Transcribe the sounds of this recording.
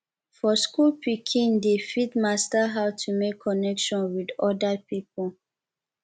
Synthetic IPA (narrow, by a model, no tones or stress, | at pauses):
fɔskulpikʰĩndefitmastaɦaʊtʰumekʰːɔnɛkʃɔ̃nwidɔdapip̚ɔl